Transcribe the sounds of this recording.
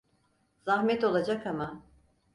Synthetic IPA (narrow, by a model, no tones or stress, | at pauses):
z̥ahmɛt̪o̞lˠad͡ʒakama